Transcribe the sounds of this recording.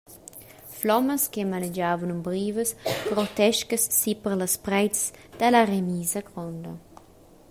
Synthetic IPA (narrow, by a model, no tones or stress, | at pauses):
flɔmɐskemaned͡ʒaːvunumbɾiːvəsɡ̥ɾot̪ɛʃkəsːipəɾləspɾɛjtsd̪̥alaremiːzɐɡɾɔnd̪ɐ̰